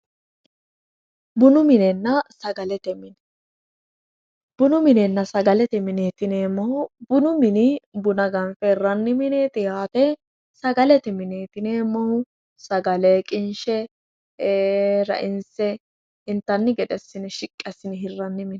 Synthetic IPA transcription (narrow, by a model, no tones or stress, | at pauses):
bʊnʊmɪnɛnːɐsɐɡɐlɛt̪ɛmɪn | b̥ʊnʊmɪnɛnːɐsɐɡɐlɛt̪ɛmɪneːt̪ɪneːmɔhʊbʊnʊmɪnɪbʊnɐɡɐnfɛɪrːɐnːɪmɪneːt̪ʼɪjaːt̪ɛ | sɐɡɐlɛt̪ɛmɪneːt̪ɪneːmːɐhʊ | sɐɡɐleːkʼɪnʃɛ | ɾɐ̰ʔɪnsɛ | ɪnt̪ːɐnːɪɡɛd̪ɛsːɪnɪʃɪkʼːɛsːɪnɪɦɪrːɐnːɪmɪnɛ